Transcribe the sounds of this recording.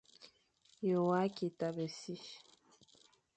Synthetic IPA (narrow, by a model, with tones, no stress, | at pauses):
jo˨wa˦ki˨ta˨be˨si˦